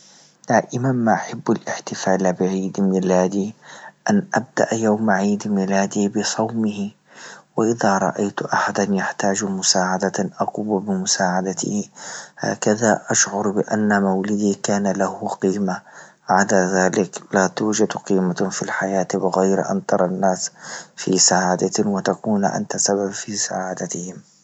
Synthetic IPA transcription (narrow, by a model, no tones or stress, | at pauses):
d̪̥aːʔɪmanmaʔaħabːalʔɪħt̪ɪfaːlbɪʕiːd̪mɪlaːd̪iʔanʔab̚d̪a̰ʔjawmaʕiːd̪mɪlaːd̪ibɪsˤɑwmɪhi | wɪʔɪðaɾˤɑ̰ʔajt̪ʔaħad̪anjaħt̪aːd͡ʒmʊsaːʕad̪aʔɑquːbbɪmʊsaːʕad̪at̪ɪ̰ha̰ːkaðaʔaʃʕʊɾbɪʔa̰nːamawlɪd̪ikaːnalahʊqiːma | ʕad̪aðaːlɪklat̪uːd͡ʒad̪qiːmafilħajaːt̪bɪɣajɾʔa̰nt̪ɑɾˤɑnːaːsfisaʕad̪awɪt̪akuːnʔa̰nt̪asababfiːsa̰ʕad̪at̪ɪhɪm